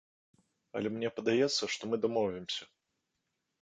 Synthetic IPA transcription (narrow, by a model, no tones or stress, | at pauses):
ɐ̰lʲɛmnʲɛpɐd̪ajɛt̪sːɐʂt̪ɔmɨd̪amɔvʲɪmsʲɐ